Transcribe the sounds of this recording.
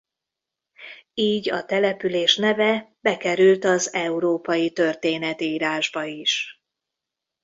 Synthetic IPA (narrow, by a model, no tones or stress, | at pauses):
iːɟɒt̪ɛlɛpyleːʃnɛvɛb̥ɛkɛɾylt̪ɒzɛuɾoːpɒjit̪ø̞rt̪eːnɛt̪iiːɾaːʒbɒiʃ